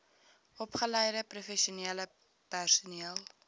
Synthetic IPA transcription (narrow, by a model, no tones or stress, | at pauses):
ʔɔpχələjɾəprufɛʃiuniələ | pærsuniəl